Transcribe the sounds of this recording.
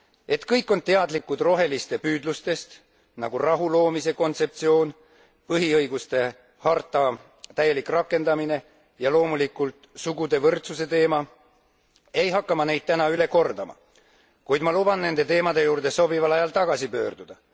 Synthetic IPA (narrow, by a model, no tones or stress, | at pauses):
e̞t̪kɤjkːˑo̞nt̪e̞ɑd̪likːud̪̥ro̞ɦe̞list̪e̞pyːd̪lust̪e̞st̪ | nɑ̰ɡ̥urɑɦulo̞ːmise̞ko̞nt̪se̞p̚t̪sio̞ːn | pɤɦiɤjɡ̥ust̪e̞ | hɑrt̪ːˑɑ | t̪æje̞likrɑkːˑe̞nd̪ɑmine̞ | jɑlo̞ːmulikːˑult̪ˑsuɡud̪e̞vɤrt̪suse̞t̪e̞ːmɑ | e̞jɦɑkːɑmɑne̞jd̪̥̚t̪ænɑyle̞ko̞rd̪̥ɑmɑ̰ | kujd̪mɑlubɑnne̞nd̪e̞t̪e̞ːmɑd̪e̞juːrd̪̥e̞so̞bivɑlɑjɑlt̪ɑɡ̥ɑsipø̞̰ːrd̪̥ud̪̥ɑ